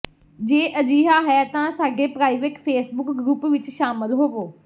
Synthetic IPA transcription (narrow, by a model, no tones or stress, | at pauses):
d͡ʒeːʔəd͡ʒiːɦaːɦɛːt̪ãːsaːɡeːpɾaːiːʋekpʰeːsbʊkɡɾuːpʋɪt͡ʃʃaːməlɦoːɡoː